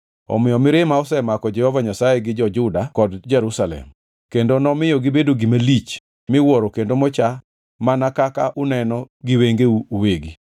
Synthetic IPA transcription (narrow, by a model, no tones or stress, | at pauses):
ɔ̰mɪjɔmɪɾɪmaɔsɛmakɔd͡ʒɛhɔvaɲasajeɡɪd͡ʒɔd͡ʒʊdakɔdd͡ʒɛɾusalɛ̰m | kendonɔmɪjɔɡɪbedoɡimalit͡ʃ | mɪwɔɾokendomɔt͡ʃa | manakakaʔʊnɛnɔ | ɡɪweŋɡeuuweɡi